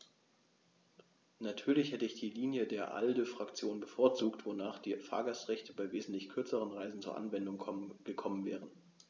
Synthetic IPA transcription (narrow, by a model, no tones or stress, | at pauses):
natʰyːɐlɪçhɛtəɪçd̥iːliːnjədeːɐʔa̰ldəfʁ̥akt͡sjoːnbəfoːɐt͡suːktv̥onaːχd̥iːfa̰ːɐɡastʁɛçtəbaɪveːzn̩tlɪçkʰʏɐt͡səʁ̞ənʁaɪzn̩t͡suːɐʔa̰nvɛndʊŋɡ̥əkʰɔmənvɛ̰ːʁ̞ən